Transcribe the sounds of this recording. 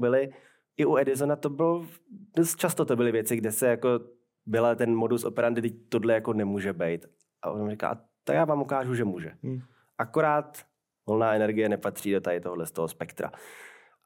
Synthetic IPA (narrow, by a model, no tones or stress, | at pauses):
bɪlɪ | ʔɪʔuɛdɪzonat̪o̞bɪlodost̪̚t͡ʃast̪ot̪obɪlɪvjɛt͡sɪɡdɛsɛjako̞ | bɪlat̪ɛnmo̞duso̞̰pɛɾandɪdɪc̚t̪odlɛjako̞nɛmuːʒɛbɛjt̪ | ʔa̰ʔonamrika̰ʔa̰ | t̪akjaːvaːmʔukaːʒuʒɛmuːʒɛ | ʔakoɾaːt̪ | volnaːɛnɛɾɡɪjɛnɛpat̪r̝̥iːdot̪aɦɪt̪oɦodlɛst̪oɦospɛkt̪ɾa̰